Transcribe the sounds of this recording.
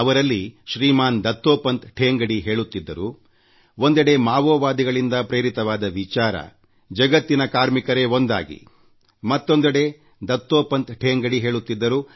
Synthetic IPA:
ɐʋɐɾɐlːiʃɾiːmaːnd̪ɐt̪ːoːpɐnt̪ʈʰeːŋɡɐɽiɦe̞ːɭut̪ːid̪ːɐɾu | ond̪ɐɽe̞maːʋɔːʋaːd̪iɡɐɭind̪ɐpɾeːɾit̪ɐʋaːd̪ɐʋit͡ʃaːɾɐ̰ | d͡ʒɐɡɐt̪ːinɐkaːɾmikɐɾe̞o̞nd̪a̰ːɡḭ | mɐt̪ːo̞nd̪ɐɽe̞ | d̪ɐt̪ːoːpɐnt̪ʈʰeːŋɡɐɽiɦe̞ːɭut̪ːid̪ːɐɾu

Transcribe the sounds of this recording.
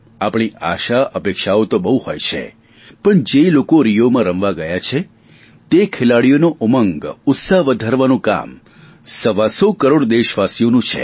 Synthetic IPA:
apɳ̃iʔaʃaəpekʃaot̪obəũhojt͡ʃʰḛ | pəɳd͡ʒelokoɾijomãɾəmʋaɡəjat͡ʃʰe | t̪ekʰelaɽijonoʔʊməŋɡʊt̪saɦʋəd̪ʱaɾʋanũka̰m | səʋasokəɾoɽd̪eʃʋasjonũt͡ʃʰḛ

